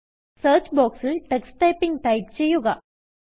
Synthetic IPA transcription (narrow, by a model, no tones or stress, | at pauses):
səːɾt͡ɕboːksɪlʈɛksʈɐɪpːɪŋɡ̚ʈɐɪp̚t͡ɕɛjːuɣɐ